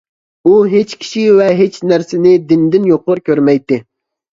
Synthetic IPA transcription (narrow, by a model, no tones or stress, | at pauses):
uɦet͡ʃkʲʰi̥ʃivɛɦet͡ʃnæɾsɪnɪd̪ɪnd̪ɪnjoqːʊɾkʲøɾmɛjt̪ːɪ